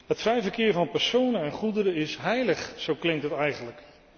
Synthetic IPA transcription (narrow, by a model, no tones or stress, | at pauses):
ɦətfɛjfəɹkɪːɹvɑnpɛɹsownənɛnχudəɾəɪsɦɛjləχsowklɪŋ̚tɦətɛjχənlək